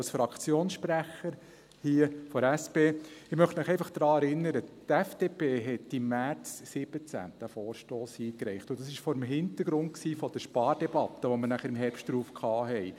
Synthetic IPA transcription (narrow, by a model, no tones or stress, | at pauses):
lsfɾɑkʰt͡sjoːnsʃpɾæχəɾ | hiːəfɔɾɛspeːɪχmœχtmɪχɛɪfɑχd̥ɾɑːɛɾɪnːəɾətɛfd̥eːpeːɦɛtːimæɾt͡ssɪb̥ət͡sæ̰t̪dæfɔːɾʃtoːshiːkɾɛɪχt̪ʊnd̥ɑsɪʃfɔɾəmɦɪnt̪əɾɡɾʊnt̚ksiːfɔd̥əʃpɑːɾd̥ɛbɑt̪əʋɔməɾnæχəɾɪmɦɛɾpʃtɾuːfkʰχɑːɦɛɪ